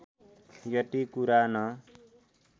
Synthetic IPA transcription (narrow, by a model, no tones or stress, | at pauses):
jʌʈ̪ikuɾanʌ